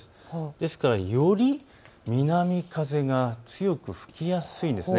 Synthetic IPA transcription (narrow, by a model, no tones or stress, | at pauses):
d̪̥e̞sɨ̥kaɾajo̞ɾʲi | mʲinamʲikaze̞ɡat͡sɨjo̞kɯ̟ɸɯ̟̥kʲijasɨĩnd̪e̞sɨne